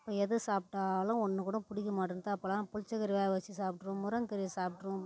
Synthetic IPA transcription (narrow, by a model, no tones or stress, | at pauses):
ɐpːoːɛðɯsaːp̚ʈaːlɐ̃ɔnːɯkuːɽɐ̃pʊɽɪkːɐmaːʈɾɯnt̪aːɐpːɐːlãːpʊlɪt͡ʃːɐkɐɾɪʋaːʋɐt͡ʃːisaːp̚ʈɾʊ̃mʊɾɐŋkɐɾɪjsaːp̚ʈːɾʊ̃